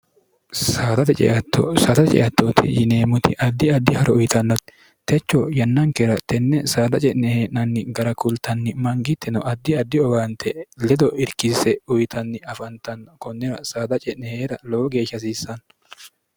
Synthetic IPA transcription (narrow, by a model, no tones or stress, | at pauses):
saːd̪ɐt̪ɛt͡ʃʼɛ̰ʔɐt̪ʰːɔ̰saːd̪ɐt̪t͡ʃʼɛ̰ʔɐt̪ːoːt̪ʰɪ̰jɪneːmʊt̪ɪʔɐd̪ːɪɐd̪ːɪhɐɾɔʊjɪt̪ɐnːɔt̪ | t̪ɛt͡ʃːɔjɐnːɐŋkɛɾɐt̪ɛnːɛsaːd̪ɐt͡ʃʼɛʔnɛheːnɐnːɪɡɐɾɐkʊlt̪ɐnːɪmɐŋɡɪt̪ʰːɛnɔʔɐd̪ːɪɐd̪ːɪɔɡaːnt̪ʰɛlɛd̪ɔʔɪɾkɪsɛʊjt̪ʰɐnːɪɐfɐnt̪ɐnkɔnːɛɾɐsaːd̪ɐt͡ʃʼɛʔnɛheːɾɐloːɔɡe̞ːʃɐs̬iːsːɐn